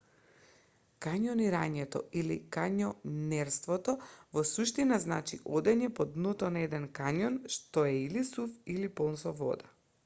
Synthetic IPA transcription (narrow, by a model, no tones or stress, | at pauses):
kaɲɔniɾaɲɛt̪ɔ̰ilikaɲɔnɛɾst̪vɔt̪ɔvɔsuʃt̪inaznat͡ʃiʔod̪ɛɲɛpɔd̪nɔt̪ɔnaɛd̪ɛnkaɲɔnʃt̪ɔɛilisufilipɔnsɔvɔ̰d̪a